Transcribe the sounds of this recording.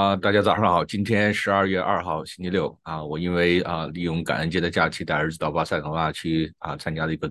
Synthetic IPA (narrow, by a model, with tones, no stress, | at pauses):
t̪a˥˩t͡ɕja˥t͡sɑ˨˩ʊʂɑ˥˩xɑ˨˩ʊt͡ɕi˥nt̪ʰjɛ˥nʂɻ̩˧˥ɐ˞˥˧ɥɛ˥˧ʔɐ̰˥˧xɑ˥˩ʊɕi˥nt͡ɕʰi˧˥ljo˥˩ʊə˧wɔ˨˩i˥nwe˥˩ɪə˧li˥˩jʊ˥˩ŋka̰˨˩nə˧˥nt͡ɕjɛ˥d̪ə˧t͡ɕja˥˩t͡ɕʰi˥t̪a˥˩ɪə˞˧˥d͡zɹ̩˧˩t̪ɑ˨˩ʊpa˥sa˥˩ɪnə˧˥a˥˩t͡ɕʰy˥˩ə˧t͡sʰa˥nt͡ɕja˥lə˩i˧˥ɡə˧˩